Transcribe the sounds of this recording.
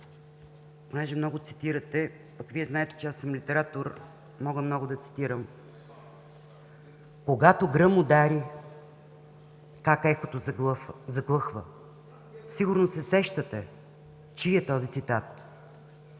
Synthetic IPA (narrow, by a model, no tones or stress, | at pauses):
ponɛʒɛmnɔɡʊt̪si̥t̪iɾət̪ɛ | ɐkoviɛznaɛt̪ɛ̥t͡ʃɛasəmlit̪ɛɾat̪oɾ | mɔɡəmnɔɡʊd̪ɐt̪si̥t̪iɾəm | koɡat̪oɡɾɤmod̪aɾi | kakɛxot̪ozzɐɡlˠɤxvə | siɡʊɾnosɛsɛʃt̪ət̪ɛ | t͡ʃiiɛt̪ɔzit̪sit̪at̪